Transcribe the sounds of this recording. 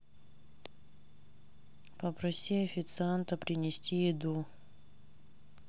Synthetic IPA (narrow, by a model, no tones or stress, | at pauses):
pəpɾɐsʲiɐfʲɪt̪sɨant̪əpɾʲɪnʲɪsʲtʲijɪd̪u